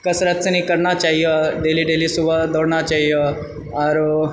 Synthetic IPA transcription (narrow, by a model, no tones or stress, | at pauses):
kəsɾat̪t͡sənikəɾɳat͡ʃaɦijɔɖeliɖeliːsubʱad̪oɽɳat͡ʃaɦijə | aɾ